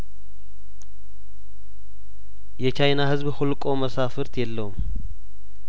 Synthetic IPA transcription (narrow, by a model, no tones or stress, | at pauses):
jɛt͡ʃajnahɨzβholkʼo̞məsafɨɾt̪jɛlːəwum